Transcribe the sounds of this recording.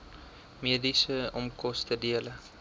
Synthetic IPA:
miədisəɔmkɔstədiələ

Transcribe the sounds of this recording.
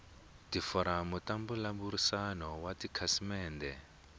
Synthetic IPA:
difɔɾamutambulambuɾisanɔwatikʰasimɛːndɛ

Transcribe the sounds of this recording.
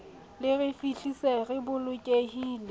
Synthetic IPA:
lɪrɪfiɬiseɣɪbʊlʊkʼehiːle

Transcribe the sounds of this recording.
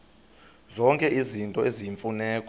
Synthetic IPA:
zɔŋkʼɛʔizintʼɔeziɱfunɛːkʼɔ

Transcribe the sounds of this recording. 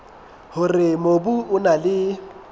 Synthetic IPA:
hʊrɪmobuʊnalɪ

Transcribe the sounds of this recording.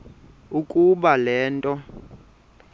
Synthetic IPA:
ukʼuɓalɛːntʼɔ

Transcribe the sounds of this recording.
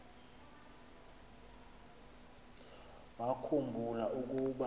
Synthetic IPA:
wakʰumbʱulaʔuk̬ʼuɓa

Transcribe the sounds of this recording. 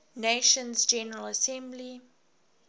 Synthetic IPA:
neʃə̃nzd͡ʒɛnəɹələsɛ̃mbli

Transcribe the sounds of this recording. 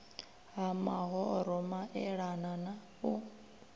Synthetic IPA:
ɦamaɦɔɾɔmaʔɛɺanana | u

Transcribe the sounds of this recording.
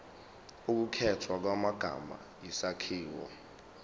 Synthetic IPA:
uk̬ukʰɛtʰwak̬wamaɡ̥ʱa̰ma̰ | jisakʰiːwɔ̰

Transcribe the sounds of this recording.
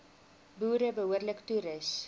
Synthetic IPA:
buːɾəbəɦuərləktuɾəs

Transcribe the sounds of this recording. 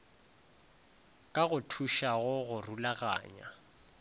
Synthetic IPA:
kʼaɣʊtʰuʃaɣʊɣʊrulaɣa̰ːɲa̰

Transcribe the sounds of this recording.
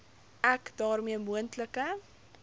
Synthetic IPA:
ʔækdɑːrmiəmuəntləkə

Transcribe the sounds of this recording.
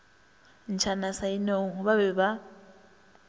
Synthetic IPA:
n̩t͡ʃʰanasainɛuɦuβaβɛβa

